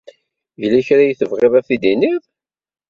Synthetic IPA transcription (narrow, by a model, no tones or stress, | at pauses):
jəlæçɾajθəvʁɪðæfid̪inið